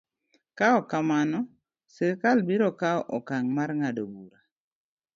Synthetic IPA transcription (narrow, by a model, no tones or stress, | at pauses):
kaɔkamanɔ | sekalbiɾɔkaɔʔɔkaŋmaɾŋadobuɾa